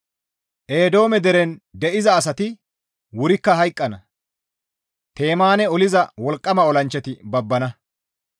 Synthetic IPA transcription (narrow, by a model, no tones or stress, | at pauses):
ʔeːd̪o̞ːmɛd̪ɛɾɛnd̪ɛʔɪzɐːs̬ɐt̪ɪ | wʊɾɪkːɐɦɐjkʼːɐnɐ | t̪e̞ːmaːnɛɔlɪzɐwɔlkʼːɐmɐɔlɐnt͡ʃːɛt̪ɪbɐbːɐnɐ